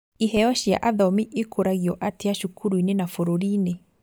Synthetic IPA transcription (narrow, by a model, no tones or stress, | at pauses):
iɦɛjɔɕja̰ʔaðɔmiʔekʰoɾaɣiɔʔateaʃukʰuɾuinenafoɾoɾiːne